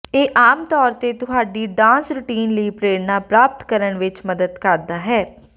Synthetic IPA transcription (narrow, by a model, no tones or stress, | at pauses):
eːʔaːmt̪ɔːɾt̪eːt̪ʊɦaːɖiːɖãːnsɾʊʈiːnləiːpɾeːɽnaːpɾaːp̚t̪kəɾəɳʋɪt͡ʃməd̪əd̪kəɾd̪aːɦɛː